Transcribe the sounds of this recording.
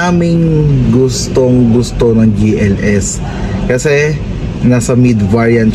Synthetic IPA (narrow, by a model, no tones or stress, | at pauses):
aːmɪŋɡʊst̪oŋɡʊst̪o̞nɐŋd͡ʒiʔɛlʔɛs | kɐsɛ | nasɐmid̪vaɹjɐn